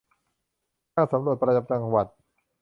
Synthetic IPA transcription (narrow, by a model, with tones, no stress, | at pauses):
aː˥˩sa˩˦mɾu˨˩ət̪̚pɾa˧ja˨˩p̚t͡ɕa˧ŋwa˨˩t̪̚